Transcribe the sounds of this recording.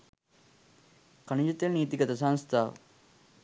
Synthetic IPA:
kɐnid͡ʒɐt̪jeniːt̪iɡɐt̪ɐs̬aŋst̪ʰaːʋə̰

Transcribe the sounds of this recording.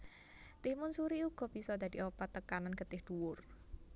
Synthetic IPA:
t̪ɪhmʊnsuɾiuɡ̥ɔ̤b̥isɔd̪ad̪iʔopat̪ːəkananɡ̥ət̪ɪhd̪̥uwʊr

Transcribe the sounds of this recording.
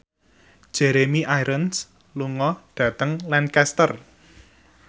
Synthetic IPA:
ʒ̥ɛɾemiʔajɾʔəns | luŋɔd̥ä̤t̪əŋlankɛst̪ər

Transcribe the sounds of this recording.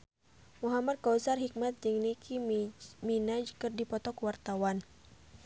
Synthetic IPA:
muɦamad̪̚kausarɦik̚mat̪̚d͡ʒɨŋnikʰiminad͡ʒkɨrdipɔt̪ɔkuwart̪awan

